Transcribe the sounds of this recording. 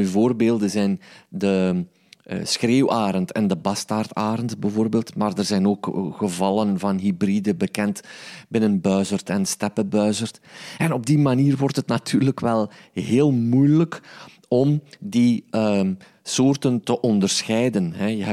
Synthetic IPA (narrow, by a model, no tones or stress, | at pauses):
yvoːrbeːlˠdəzɛjndə | sxreːwaːɾəntɛndəbɑstaːrtaːɾəntbəvoːrbeːlˠtmaːrdərzɛjnoːkɣəvɑlənvɑnɦibridəbəkɛntbɪnənbœɥzərtɛnstɛpəbœɥzərtɛnɔb̚dimaniːrwɔrtɦətnatʰyːrləkʋɛlˠɦeːlˠmujlək | ɔmdiə | soːrtəntəʔɔndərsxɛjdənɦɛjəɦ